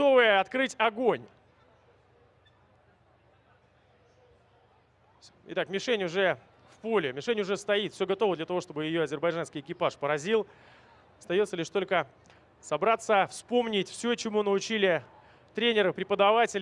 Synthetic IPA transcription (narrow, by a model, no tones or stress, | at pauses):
ovɨjəɐt̪kɾɨtʲɐɡonʲ | ɪ̰t̪akmʲɪʂɛnʲʊʐɛ | fpolʲɪmʲɪʂɛnʲʊʐɛst̪ɐit̪fsʲoɡɐt̪o̞vəd̪lʲət̪ɐvo̞ʂt̪o̞bɨjɪjo̞ɐzʲɪrbɐjʐanskʲɪjɪkʲɪpaʂpəɾɐzʲilˠ | ɐst̪ɐjot̪səlʲɪʂt̪o̞lʲkə | sɐbɾat̪sːəfspo̞mnʲɪtʲfsʲɵt͡ɕɪmunəʊt͡ɕilʲɪ | t̪ɾʲenʲɪɾəpɾʲɪpəd̪ɐvatʲɪlʲ